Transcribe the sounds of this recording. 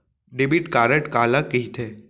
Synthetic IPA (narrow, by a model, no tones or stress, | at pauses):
ɖebiʈkaːɾəʈkaːlakiɦit̪ʰeː